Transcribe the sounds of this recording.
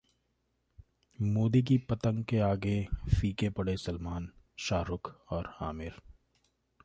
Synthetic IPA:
moːd̪ik̬ipɐt̪ə̃ŋɡkeaːɡefiːkepɐɽesɐlmaːnʃaːɾʊkɔːɾaːmɪɾ

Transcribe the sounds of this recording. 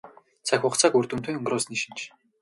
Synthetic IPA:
t͡sʰaxʲʊχt͡saːkurt̪ɘ̆mt̪ʰuːŋɵŋɡrʊːsniʃĭ̥nt͡ɕʰ

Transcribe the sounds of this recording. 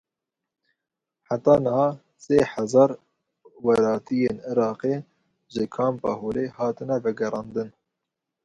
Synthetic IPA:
ħat̪ɑːnɨhɑː | seːħazɑːɾ | wɛɾɑːt̪ijeːnɪɾɑːqeː | ʒɪkʰɑːmpɑ̰hoːleːhɑːt̪ɨnɛvɛɡɛɾɑːnd̪ɨn

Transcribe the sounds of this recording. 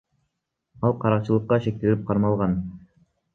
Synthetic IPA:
ɑlˠqʰɑɾɑq̚t͡ʃɯlˠɤqːɑʃe̞k̚t̪elip̚qʰɑɾmɑlˠʁɑn

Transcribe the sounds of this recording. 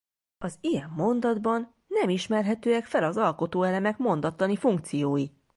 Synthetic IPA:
ɒzijɛmːo̞nd̪ɒd̪bɒnːɛmiʃmɛrɦɛt̪øːɛkfɛlɒzɒlko̞t̪oːɛlɛmɛkmo̞nd̪ɒt̪lɒnifuŋkt̪sijoːji

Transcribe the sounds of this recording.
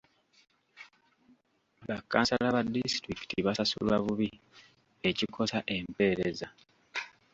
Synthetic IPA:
βakːa̰ːnsalaβadːistɾiki̥tiβasasṵlwaβuβi | e̞cikʰo̞saʔe̞mpe̞ːɾe̞za

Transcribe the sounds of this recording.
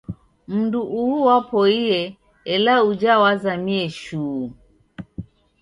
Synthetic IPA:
m̩nduʔuuwapɔiɛ | ɛlaud͡ʒawazamiɛʃuː

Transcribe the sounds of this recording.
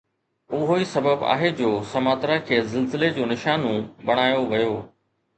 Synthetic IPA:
ʊɦoisɐbəba̰ːɦed͡ʑoːsɐmaːt̪ɾakʰeːzɪlzɪled͡ʑoːnɪʃaːnũbɐɽ̃aːjoʋɐjoː

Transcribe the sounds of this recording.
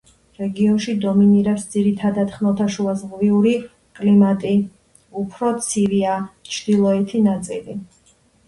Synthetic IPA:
ɾɛɡiɔnʃid̪ɔminiɾɛpsd̪ziɾit̪ʰad̪at̪χnɔt̪ʰaʃuazʁviuɾi | kʼlimat̪ʼi | upʰɾɔt̪sʰiviat͡ʃʰd̪̥ilˠɔɛt̪ʰinat̪sʼili

